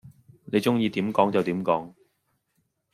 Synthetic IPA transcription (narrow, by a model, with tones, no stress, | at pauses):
ne˨˧jt͡sʊ˥ŋjiː˧t̪iː˨˥mkɔː˨˥ŋt͡sɐ˨wt̪iː˨˥mkɔː˨˥ŋ